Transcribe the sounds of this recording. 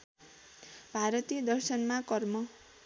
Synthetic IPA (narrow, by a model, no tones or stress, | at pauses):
bʱaɾʌt̪ijʌd̪ʌrsʌnmakʌrmʌ